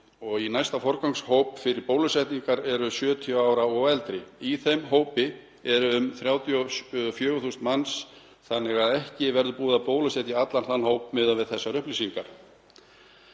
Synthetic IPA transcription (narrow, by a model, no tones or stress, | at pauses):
ɔɣinajst̪afɔɾkawŋshowpfɪɾɪɾpoːwlʏsɛjht̪niŋkaɾɛɾʏsjœːt̪ʰjœaːwɾaɔɛlt̪ɾɪiθejmɦoːwpɪ | ɛɾʏʏmθɾjaːwt̪ʰjɔfjœːɣʏθust̪mans | θanːɛɣaðɛhcɪvɛɾðʏpuːðapoːwlʏsjɛt̪iat̪lanθanhoːwpmɪðavɪðθɛsːaɾʏhplisiŋkaɾ̥